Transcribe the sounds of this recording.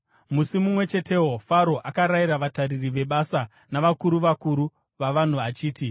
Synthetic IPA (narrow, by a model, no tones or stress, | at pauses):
musimumwe̞t͡ʃe̞te̞wofaɾo̞ʔakaɾaiɾaʋataɾiriʋe̞ɓasa | naʋakuɾuʋakuɾu | ʋaʋan̤uat͡ʃiːti